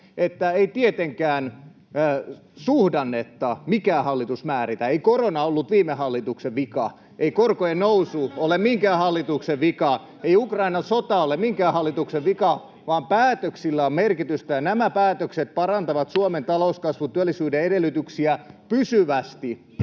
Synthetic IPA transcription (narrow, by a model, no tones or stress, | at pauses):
et̪ːæeit̪iet̪eŋkæːn | suhdɑnːet̪ːɑmikæːhɑlːit̪usmæːɾit̪æeikoronɑolːut̪ʋiːmehɑlːit̪ukseʋʋikɑ̰ | ʔeikorkojennousuolemiŋkæːhɑlːit̪ukseʋʋikɑ | eiukrɑinɑnsot̪ɑolemiŋkæːhɑlːit̪ukseʋʋikɑ | ʋɑːmpæːt̪øksilːæommerkit̪yst̪æjɑnæmæpæːt̪økset̪̚pɑrɑnt̪ɑʋɑt̪suoment̪ɑlouskɑsʋut̪yælːisyːdeedelːyt̪yksiæpysyʋæst̪i